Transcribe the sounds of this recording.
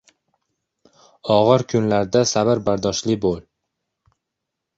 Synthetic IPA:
ɒʁɨɾkʰʊnlaɾd̪asabɪɾbaɾd̪ɒʃlɪbolˠ

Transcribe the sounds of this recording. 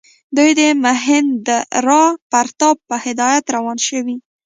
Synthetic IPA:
d̪ujd̪əmʊɦɪnd̪əɾɑpaɾt̪ɑb̚pəhɪd̪ɑjat̪ɾawɑnʃəwi

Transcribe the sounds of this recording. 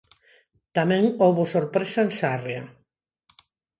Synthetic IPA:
t̪amɛ̃ŋowβʊsoɾpɾesaensarea

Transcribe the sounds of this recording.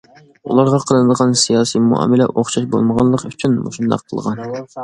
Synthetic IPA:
ṵlˠɑɾʁɑqʰəlˠɨnɨd̪əʁɑnsijɑːsimuɑ̰ːmɪlɛ̰ʔoχʃɑʃbo̰lˠməʁɑnlˠəqyt͡ʃʰynmo̰ʃund̪ɑ̰qʰːəlˠʁɑn

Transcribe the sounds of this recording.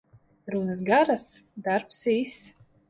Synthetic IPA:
ɾunas̬ɡaɾasd̪aɾpsiːs

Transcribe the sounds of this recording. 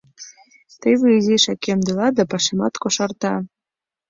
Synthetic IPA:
t̪ejβeiziʃɑkemd̪ɤlɑd̪ɑpɑʃemɑt̪koʃɑrt̪ɑ

